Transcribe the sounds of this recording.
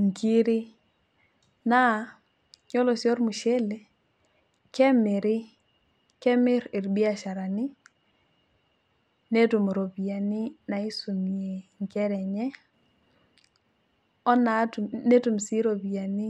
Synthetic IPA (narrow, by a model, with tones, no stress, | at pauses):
ŋ˨ki˦ɾɪ˦ | na˦˨ | ɲɔ˦lɔ˨sjɔ˦ɾmu˨ʃɛ˦le˨˦ | kɛ˦mɪ˨ɾɪ˦ | kɛ˦mɪ˦ɾɪ˨ɾbi˦a˨ʃa˨ɾa˨nɪ˦ | ne˦tu˨m˨ɾo˨bi˨a˨nɪ˦na˨i˦su˨mi˨e˨ŋkɛ˦ɾɛ˨ɲɛ˦ | ɔ˦na˨tu˨ne˦tu˨msi˦ɾo˨bi˨a˨nɪ˦